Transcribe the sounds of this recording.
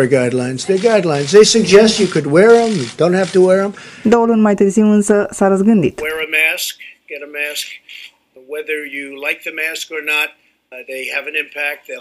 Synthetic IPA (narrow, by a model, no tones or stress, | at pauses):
ə˞ɡaɪdˡlãɪ̃nzðə˞ɡaɪdˡlãɪ̃nzðeɪsɨɡ̚d͡ʒɛst͡ʃɨkʰɨd̚wɛɹə̃mðd̥õʊ̃nt̚hæftəwɛɹə̃md̪olə̃nmaɪt̪əɾsuə̃nsəsaɾəs̬ɡɨ̃nd̪ḭt̪wɛɹɨmæskɡ̥ɛɾɨmæsk | wɛðə˞jɨlaɪk̚ðɨmæskə˞nət̪̚ | ðeɪɨvɨ̃nɪ̃mpʰæk̚t̪̚ðeɪ